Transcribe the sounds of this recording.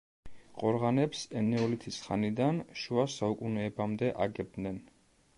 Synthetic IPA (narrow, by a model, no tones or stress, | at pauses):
qʼɔɾʁanɛpsɛnɛɔlit̪ʰisχa̰nid̪anʃuasaukʼunɛːbamd̪ɛʔaɡɛb̚d̪nɛn